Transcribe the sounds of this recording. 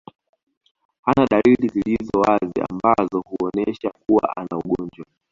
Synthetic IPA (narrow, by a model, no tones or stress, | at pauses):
hanaɗalilizilizɔwazia̰mbazɔhuɔnɛʃakuwa̰ʔanauɠɔnd͡ʒwa